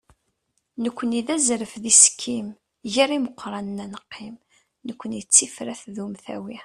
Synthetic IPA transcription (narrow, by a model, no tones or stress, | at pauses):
nəkʷːəniðæzɾəfðiskʰːim | ʝiɾiməqːɾˤɑnənænəqːim | nəkʷːənjət͡sːifɾæθðumθæ̰wi